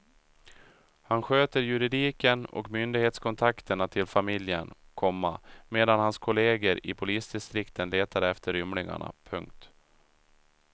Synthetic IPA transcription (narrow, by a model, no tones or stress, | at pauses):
hanɧøːt̪əɾjɵɾɪd̪iːkənɔ̰kmʏnd̪ɪɡheːt̪skʰɔnt̪ʰakt̪əɳat̪ʰɪlfamɪljə̰n | kʰɔmːa̰meːd̪anhanskʰʊleːɡəɾɪpʰʊliːsd̪ɪst̪ɾɪkt̪ʰənleːt̪ʰaɾɛft̪ʰəɾʏmlɪŋa̰ɳa̰pʰɵŋk̚t̪